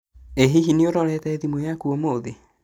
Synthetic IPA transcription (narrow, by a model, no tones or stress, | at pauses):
eɦiɦineoɾɔɾɛtɛɛðimwojakuomoðe